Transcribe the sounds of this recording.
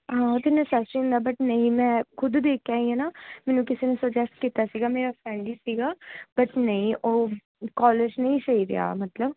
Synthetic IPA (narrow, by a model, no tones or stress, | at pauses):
ɦãːot̪ɪnːẽsəsiʊ̃nd̪aːbəʈnəĩːmɛ̃ːkʰʊd̪d̪eːkʰjaːĩɦɛːnaːmɛ̃ːnũːkɪseːnesəd͡ʒɛsʈ̚kiːt̪aːsiːɡaːmeːɾaːfʰɾɛ̃ːɳɖiːsiːɡaːb̥əʈnəĩːʔoː | kɔːləd͡ʒnəĩːsəiːɾɪ̰ja̰ːmət̪ləb